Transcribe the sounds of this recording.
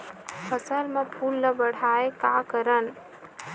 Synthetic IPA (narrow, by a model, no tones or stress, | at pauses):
pʰəsəlmepʰulːəbəɽ̤aekakəɾən